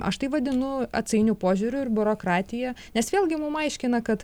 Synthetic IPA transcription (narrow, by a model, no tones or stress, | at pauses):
ɐ̰ʃt̪ɐɪʋɐd̪ʲɪnʊɐ̰t̪sʲɐɪnʲupoːʒʲuːɾʲʊɪɾbʲʊɾoːkɾɑːt̪ʲɪjɛnʲɛsʋʲeːlʲɡʲɪmʊmɐɪʃʲkʲɪnɐkɐt̪